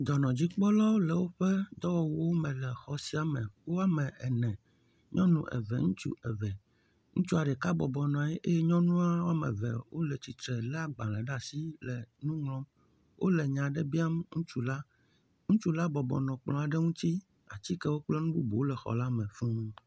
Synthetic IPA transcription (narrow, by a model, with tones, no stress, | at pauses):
d̪ɔ˨nɔ̃˨d͡ʑi˦k͡pɔ˦lɔ˦lɛ˨wo˦ɸɛ˦d̪ɔ˦wɔ˨wu˦wo˦mɛ̃˨lɛ˨xɔ˨si˦a˨mɛ̃˨wo˦a˦mɛ̃˨ɛ˨nɛ̃˨ | ɲɔ̃˦nṵ̃˦˨ʔɛ̰˨vɛ̰˨ŋũ˦t͡ʃṵ˦ʔɛ˨vɛ˨ | ŋũ˦t͡ʃu˦a˨ɖɛ˨ka˦bɔ˨bɔ˨nɔ̃˨a˨jɛ˦ʔe˦jɛ˦ɲɔ̃˦nũ˦a˦wo˦a˦mɛ̰̃˨vɛ̰˨wo˦lɛ˨t͡ɕi˨t̪ɾɛ˨la˦ɡ͡bã˨lɛ̃˨ɖa˨si˦lɛ˨nũ˦ŋlɔ̃˦m | wʔo̰˦lɛ˨ɲã˨ɖɛ˦bi˦a˦mŋũ˦t͡ʃu˦la˦ | ŋũ˦t͡ʃu˦la˦bɔ˨bɔ̰˨nɔ̃˨k͡plɔ̃˨a˨ɖɛ˦ŋũ˦t̪i˦ | a̰˨t͡ɕi˦kɛ˦wo˦k͡plɛ˦nũ˦bu˦bo˨o˦lɛ˨xɔ̰˨la˦mɛ̃˨fũ˦